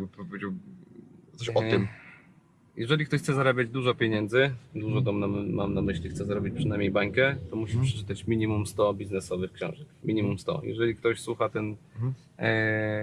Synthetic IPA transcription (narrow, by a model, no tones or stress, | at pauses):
ɡbpɔpɔvʲed͡ʑaw̪ | ɔɕɔɨm | jɛʐɛlʲikt̪ɔɕxt̪sɛzaɾabʲjad͡ʑd̪uʐɔpʲeɲɛnd̪zɘd̪uʐɔɡ̪ɔmnamamnamɘɕlʲixt̪sɛzaɾɔbʲit͡ɕpʂɨnajmɲejbaŋkɛt̪ɔmuɕipʂɛ̥t͡ʂɘ̥t̪at͡ɕmʲiɲimumst̪ɔbʲiznɛsɔvɘxkɕɔ̰̃w̃ʐɛkmʲiɲimumst̪ɔ̰jɛ̰ʐɛlʲik̚t̪ɔɕswuxat̪ɛn